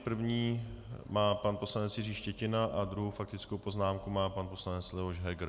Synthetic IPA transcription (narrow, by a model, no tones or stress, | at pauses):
pr̩vɲiːmaːpanpo̞slanɛt͡sjɪriːʃcɛcɪnaʔadɾuɦowfak̚t̪ɪt͡skowpo̞znaːmkumaːpanpo̞slanɛt͡slɛvoʒɦɛɡɾ